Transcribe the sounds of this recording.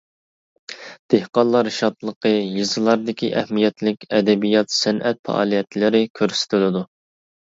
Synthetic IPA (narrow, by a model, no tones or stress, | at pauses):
d̪̥ehqɑnlˠɑɾɪʃɑt̪lˠəqəjɨzɨlˠɑɾd̪ɪkʲʰiʔɛhmijɛt̪lɪkʲɛd̪ɛbijɑt̪sɛnʔɛt̪̚fɛ̰ʔɑ̰ːlˠijɛt̪lɪɾɪkʲʰøɾsɪ̥t̪ʰɪlɪd̪u